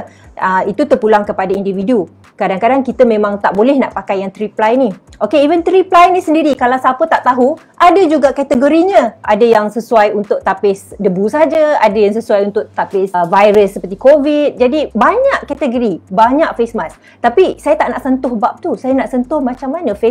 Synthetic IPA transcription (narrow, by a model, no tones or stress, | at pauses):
əit̪ut̪ərpulaŋkəpadaindividu | kadaŋkadaŋkit̪əmẽmãŋt̪aʔbolɛhnaʔpakajːaŋt̪ɾiplajniokeivənt̪ɾiplajnisəndiɾikalawsapət̪aʔt̪aɦu | ʔadad͡ʒuɡaʔkat̪əɡoɾiɲə̃ʔadajaŋsəsuajunt̪ʊʔ̚t̪apɪsdəbusad͡ʒaadajaŋsəsuajunt̪ʊʔt̪apɪsvajɾəsːəpərt̪ikovit̪̚d͡ʒadibaɲaʔkat̪əɡoɾibaɲaʔfesmas | t̪apisajat̪aʔnaʔsənt̪ʊhbap̚t̪usajanaʔsənt̪ʊhmat͡ʃamːanə̃fe